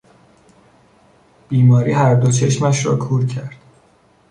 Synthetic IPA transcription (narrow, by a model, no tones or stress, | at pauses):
b̥iːmɒːɾiːhæɾd̪o̞t͡ʃʰe̞ʃmæʃɾɒ̰ːkʰuːɾcʰæɾd̪̥